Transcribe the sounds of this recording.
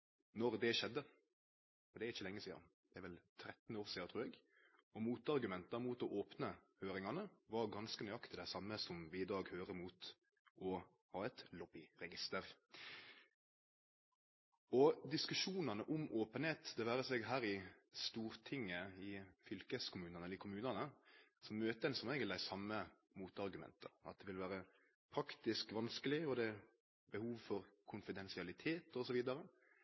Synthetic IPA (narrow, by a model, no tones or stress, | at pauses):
nɔɾd̪ɛʃɛd̪ːə | ɔd̪ɛæɾɪçːəlɛŋːəsiːɑ̰n | d̪̥ɛæɾʋɛlt̪ʰɾɛt̪ːn̩oːɾsiːd̪ɑt̪ʰʁʉːɾɛɡ | ɔmuːt̪ɑɾɡʉmɛnt̪ɑmuːt̪ɔʔoːpnəhøːɾɪŋɑnəʋɑɾɡɑnskənœʏɑkt̪ɪd̪ɛsɑmːəsɔmʋɪɪd̪ɑːɡhøːɾəmuːt̪ | ɔ | hɑːɛt̪lɔbɪɾɛɡɪst̪əɾ | ɔd̪ɪskʉʂuːnɑnəʔʊmʔoːpənheːt̪d̪ɛʋæːɾəsɛɡɦæːɾɪst̪uːɾt̪ʰɪŋːəɪfʏlkəskʰʊmʉːnəɑnəɛləɪkʰʊmʉːnənəsɔmmøːt̪əɛnsɔmæɪɡəld̪æɪsɑmːə | muːt̪ɑɾɡʉmɛ̰nt̪əɑ̰t̪̚d̪ɛʋɪlʋæːɾə | pʰɾɑkt̪ɪskʋɑnskəlɪɔd̪ɛ | bəhuːʋfɔɾkʰʊnfɪd̪ɛnsɪɑlɪt̪ʰeːt̪ɔsɔʋiːd̪ɑɾə